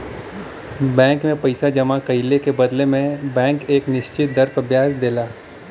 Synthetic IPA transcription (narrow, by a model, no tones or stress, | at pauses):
bɛ̃ːŋkmẽpɐɪsad͡ʒɐmakɐɪlekebɐd̪lemẽbɛ̃ːŋkeːknɪʃt͡ʃɪt̪̚d̪ɐɾpəbjaːsd̪eːlaː